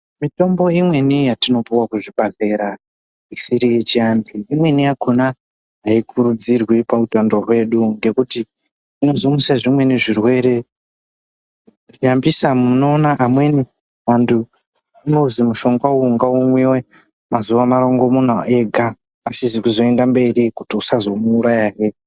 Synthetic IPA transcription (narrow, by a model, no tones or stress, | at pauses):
mito̞mbo̞imwe̞nijatino̞piwakuʐiɓaɮe̞ɾa | isiɾije̞t͡ʃiambiːmwe̞niakʰona | ɦaikʰuɾud͡zirwipautandorwe̞ɗuŋɡe̞kuti | ino̞zimusaʐimwe̞niʐirwe̞ɾe̞ | ʐiambisamuno̞ːnaʔamwe̞ni | ʋantʰu | inozimuʃo̞ŋɡwauŋɡaumwiwe | mazuʋamaɾo̞ŋɡo̞mun̤ae̞ɡʱaː | sizikuzo̞e̞ndambe̞ɾikutiusazo̞muːɾajaje